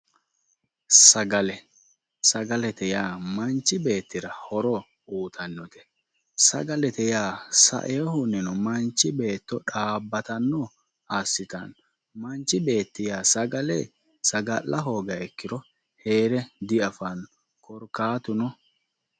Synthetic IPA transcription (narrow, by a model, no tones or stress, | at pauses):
sɐɡɐlɛ | sɐɡɐlɛt̪ɛjaːmɐnt͡ʃːɪbe̞ːt̪ːɪɾɐhɔɾɔ | uːt̪ʰɐnːɔt̪ɛ̥ | sɐ̰ɡɐlɛt̪ɛjaːsɐ̰ʔehʊnɛnɔmɐnt͡ʃːɪbe̞ːt̪ːɔᶑaːbːɐt̪ɐnːɔ | asːɪt̪ɐ̰n | mɐnt͡ʃːɪbe̞ːt̪ːɪjaːsɐɡɐlɛ̰ | sɐɡɐlːɐɦo̞ːɡɐɛkːɪɾɔ | he̞ːɾɛd̪ɪɐfɐn | kɔɾkaːt̪ʊnɔ